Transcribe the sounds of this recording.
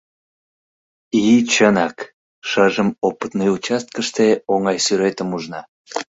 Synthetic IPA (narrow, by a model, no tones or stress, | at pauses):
it͡ɕənɑk | ʃəʒəmopət̪nəjut͡ɕɑst̪̚kəʃt̪eoŋɑjsyɾet̪əmuʒnɑ